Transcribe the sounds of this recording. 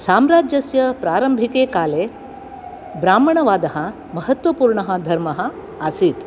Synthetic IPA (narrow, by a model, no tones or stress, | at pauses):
saːmɾaːd͡ʒjɐsjɐpɾaːɾɐmbʱikeːkaːleː | bɾaːmɐɳɐʋaːd̪ɐɦɐ̆ | mɐɦɐt̪ʋɐpuːɾɳɐɦɐ̆d̪ʱɐɾmɐɦɐ̆ | asit̪